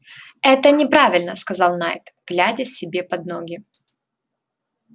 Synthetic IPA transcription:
ɛt̪ənʲɪpɾavʲɪlʲnəskɐzɑlˠnajt̪ɡ̥lʲædʲəsʲɪbʲe̞pɐd̪noɡʲɪ

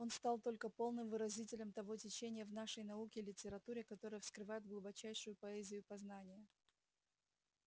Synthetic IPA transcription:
o̞nst̪alˠt̪o̞lʲkəpo̞lˠnɨmvɨɾɐzʲitʲɪlʲəmt̪ɐvo̞tʲɪt͡ɕenʲɪjəvnaʂəjnɐukʲɪlʲɪtʲɪɾɐt̪uɾʲɪkɐt̪o̞ɾəjəfskɾɨvajɪd̪ɡlˠʊbɐt͡ɕæjʂʊjʊpɐɛzʲɪjʊpɐznanʲɪjə

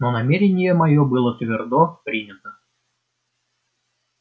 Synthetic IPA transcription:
nonɐmʲeɾʲɪnʲɪjəmɐjobɨlˠət̪vʲɪrd̪opɾʲinʲət̪ə

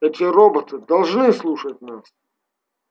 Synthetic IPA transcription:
ɛt̪ʲɪɾobət̪ɨd̪ɐlˠʐnɨslˠuʂət̚ʲnas

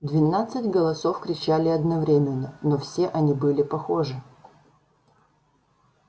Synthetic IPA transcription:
d̪vʲɪnat̪sɨtʲɡəlˠɐso̞fkɾʲɪt͡ɕælʲɪɐd̪nɐvɾʲemʲɪnːənofsʲe̞ʔɐnʲibɨlʲɪpɐxo̞ʐɨ

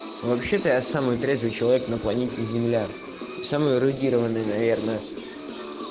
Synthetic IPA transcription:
vɐpɕːe̞t̪əjasamɨjt̪ɾʲezvɨjt͡ɕɪlˠɐvʲeknəplˠɐnʲetʲɪzʲɪmlʲa | samɨjʊɾʊdʲiɾəvənːɨjnɐvʲe̞rnə

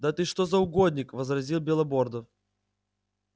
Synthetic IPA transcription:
d̪at̪ɨʂt̪ozɐʊɡod̪ʲnʲɪkvəzrɐzʲilˠbʲɪlˠɐbord̪əf

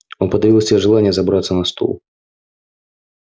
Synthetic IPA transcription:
onpəd̪ɐvʲilˠəsʲɪeʐɨlˠanʲɪjəzɐbɾat̪sənɐst̪ʰo̰lˠ

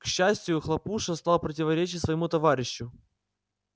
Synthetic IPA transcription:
kɕːæsʲtʲɪjʊxlˠɐpuʂəst̪ɑlˠpɾətʲɪvɐɾʲet͡ɕɪtʲsvəjɪmut̪ɐvaɾʲɪɕːʊ

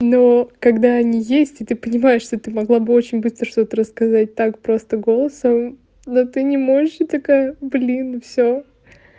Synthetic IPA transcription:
no̞kɐɡd̪aɐnʲijesʲtʲɪt̪ɨpənʲɪmajɪʂʂt̪o̞t̪ɨmɐɡlˠabɨo̞t͡ɕɪnʲbɨst̪ɾəʂt̪o̞t̪əɾəskɐzat̚ʲt̪akpɾo̞st̪əɡo̞lˠəsəm | not̪ɨnʲɪmo̞ʐɨʂɨt̪ɐkablʲinfsʲo

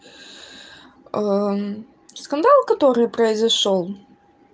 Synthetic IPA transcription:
skand̪alˠkat̪ɔɾɨpɾɐjzɐʂɔlˠ

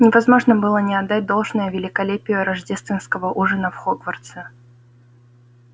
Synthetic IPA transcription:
nʲɪvɐzmo̞ʐnəbɨlˠənʲɪɐd̪d̪ːat̚ʲd̪o̞lˠʐnəjʊvʲɪlʲɪkɐlʲepʲɪjʊɾɐʐdʲe̞st̪vʲɪnskəvəʔuʐənəfxoɡvərt̪sə

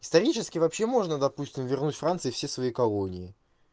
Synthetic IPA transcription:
ɪ̥st̪ɐɾʲit͡ɕɪskʲɪvɐpɕːe̞mo̞ʐnəd̪ɐpusʲtʲɪmvʲɪrnutʲfɾant̪sɨɪfsʲesvɐikɐlˠonʲɪɪ

